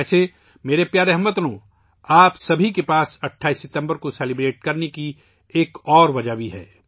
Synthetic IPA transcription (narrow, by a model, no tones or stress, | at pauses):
ɛːse | meːɾepjaːɾeɦəmət̪nõː | aːpsɐbʱikepaːsɐʈʰːaːisːɪt̪ə̃mbəɾkoseːlɪbɾeːʈ̚kɐɾneki | eːkɔːɾʋɐd͡ʒabʱiɦɛ̰ː